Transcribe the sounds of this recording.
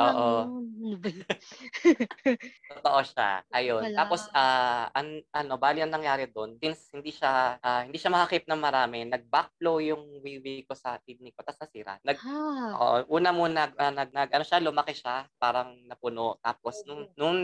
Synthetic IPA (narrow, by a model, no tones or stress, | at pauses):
ʔoːʔo | ot̪oʔoʃa̰ʔɐjont̪aːpo̞sʔaːʔɐŋʔɐno̞baːlɪnɐŋnɐŋjaːɾɛd̪o̞nsɪnshɪnd̪iʃaʔaːhɪnd̪iːʃamɐhɐkip̚nɐŋmɐɾaːmɛnɐɡ̚bak̚flowjʊŋwiwiko̞sɐʔid̪̚nɪko̞t̪ɐsnɐsiːɾɐ̰nɐɡ̰ʔʔuːnɐmonɐɡʔanɐɡ̚nɐɡʔɐno̞ʃalʊmɐkɛʃapaːɾɐŋnɐpʊnot̪aːp̚o̞snʊŋnʊŋ